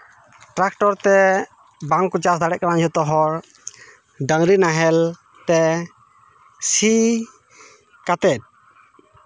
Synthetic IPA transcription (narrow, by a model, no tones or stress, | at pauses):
ʈɾak̚ʈɔɾt̪ɛ | baŋkɔt͡ʃasd̪aɽɛʔ̚kanaɲɔt̪ɔɦɔɾ | ɖaŋɾinaɦɛl | t̪ɛ | si | kat̪ɛt̪̚